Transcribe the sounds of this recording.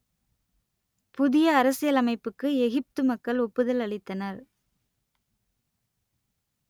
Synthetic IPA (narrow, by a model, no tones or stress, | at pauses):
pʊðɪjɐːɾɐsɪjɐlɐmɐɪpːɯkːɯɛɣɪp̚t̪ɯmɐkːɐlʊpːɯðɐlɐɭɪt̪ːɐnɐɾ